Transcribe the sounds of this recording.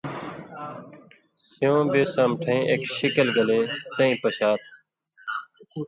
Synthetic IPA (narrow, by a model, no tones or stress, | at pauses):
sjõːbeːsəmʈʰẽːʔeːkʃɪkəlɡəleːt͡sə̃ĩːpəɕaːt̪ʰ